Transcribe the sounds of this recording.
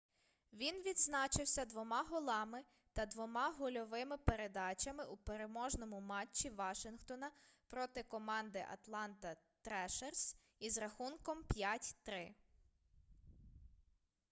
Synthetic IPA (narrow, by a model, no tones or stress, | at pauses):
ʋʲinʋʲid̪znɑt͡ʃɪwsʲɐd̪ʋɔmɑɦɔlˠɑmɪ | t̪ɐd̪ʋɔmɑɦʊlʲɔʋɪmɪpeɾe̞d̪ɑt͡ʃɐmɪʔupeɾemɔʒnɔmʊmɑt͡ʃːiʋɑʃɪnxt̪ɔnɐpɾɔt̪ɪkɔmɑnd̪ɪʔɐ̰t̪lˠɑnt̪ɐ | t̪ɾɛʃers | izɾɐxunkɔmpʲjatʲt̪ɾɪ